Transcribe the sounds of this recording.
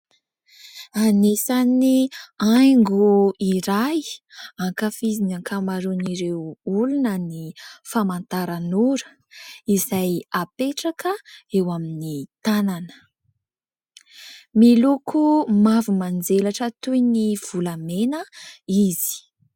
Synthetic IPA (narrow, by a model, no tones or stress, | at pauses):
anesaniajŋɡuiɾajaŋkafizinaŋkʰamaɾuniɾewulunənifamant̪aɾanuɾə | izajapeʈ͡ʂakəewaminit̪ananə̥ | milukʰumavumand͡zelaʈ͡ʂət̪ujniv̥ulamenəizi̥